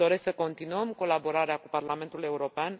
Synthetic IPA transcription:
o̞ɾe̞sksəko̞nt̪inuəmko̞labo̞ɾaɾeakuparlame̞nt̪ule̞uɾo̞pean

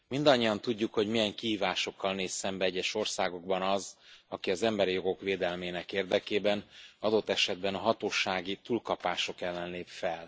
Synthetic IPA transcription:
mind̪ɒɲːiɒnt̪uɟːukho̞ɟmijɛŋkiɦiːvaːʃo̞kːɒlneːsːɛmbɛɛɟːɛʃo̞rsaːɡo̞ɡ̚bɒnɒzɒkiɒzɛmbɛɾijo̞ɡo̞kʋeːd̪ɛlmeːnɛkeːrd̪ɛkeːbɛnɒd̪o̞t̪ːɛʃɛd̪bɛnɒɦɒt̪oːʃaːɡit̪uːlkɒpaːʃo̞kɛlːɛnleːpfɛl

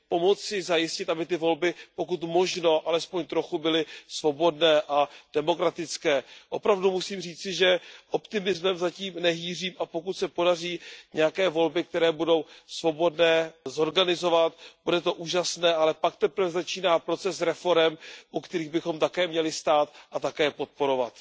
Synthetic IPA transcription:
po̞mo̞t͡sɪzajɪscɪt̪ʔabɪt̪ɪvo̞lbɪpo̞kut̪mo̞ʒno̞ʔalɛspo̞ɲt̪ɾo̞xubɪlɪsvo̞bo̞dnɛːʔad̥ɛmo̞kɾat̪ɪt͡skɛːʔo̞pɾavdumusiːmr̝iːt͡sɪʒɛʔo̞pt̪ɪmɪzmɛmzaciːmnɛɦiːr̝iːmʔapo̞kut̪sɛpo̞dariːɲɛjakɛːvo̞lbɪk̚t̪ɛɾɛːbudo̞wsvo̞bo̞dnɛːzo̞ɾɡanɪzo̞vat̪b̥udɛt̪o̞ʔuːʒasnɛːalɛpakt̪ɛpɾvɛzat͡ʃiːnaːpɾo̞t͡sɛsɾɛfo̞ɾɛmʔukt̪ɛɾiːɣbɪxo̞mt̪akɛːmɲɛlɪst̪aːt̪ʔat̪akɛːpo̞t̪̚po̞ɾo̞va̰t̪

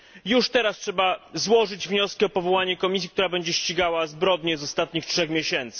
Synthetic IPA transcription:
juʂt̪ɛɾastʂɛbazwɔʐɘd͡ʑvɲɔskʲiɔpɔvɔwaɲɛkɔmʲis̬ʲjikt̪uɾabɛɲd͡ʑɛɕt͡ɕiɡawazbɾɔd̪ɲɛzɔst̪at̪̚ɲixtʂɛxmʲjeɕɛnt̪sɘ̥

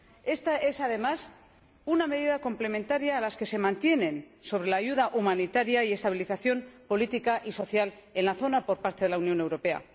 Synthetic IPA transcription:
e̞st̪ae̞saðe̞mas | uname̞ðiðako̞mple̞mẽ̞nt̪aɾjaːlaske̞se̞mãnt̪je̞nẽ̞n | so̞β̞ɾe̞laːʝuðaʔumanit̪aɾjaie̞st̪aβ̞iliθaθjo̞mpo̞lit̪ikaʔiso̞θjale̞nlaθo̞napo̞ɾpaɾt̪eðe̞launjo̞ne̞wɾo̞pe̞a̰

